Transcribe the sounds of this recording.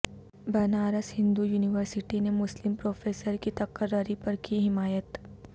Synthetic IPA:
bɐnaːɾəsɦɪ̃nd̪ujuːnɪʋəɾsɪʈinemʊslɪmpɾoːfʰeːsəɾkit̪ɐkəɾəɾipɐɾkiɦɪmaːjət̪

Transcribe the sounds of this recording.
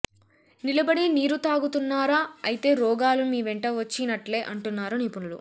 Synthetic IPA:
nilɐbɐɽiniːɾut̪aːɡut̪unːaːɾaːɐjit̪e̞ːɾɔːɡaːlumiːʋɛɳʈɐʋɐt͡ʃːinɐʈle̞ːʔɐɳʈunːaːɾuniːpunulṵ

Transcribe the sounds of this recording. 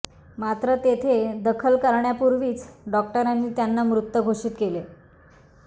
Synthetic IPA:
mat̪ɾət̪et̪ʰed̪əkʰəlkəɾɳjapuɾʋiːt͡sɖɔk̚ʈəɾanːiːt̪janːamɾut̪ːəɡʱoʂiːt̪kele

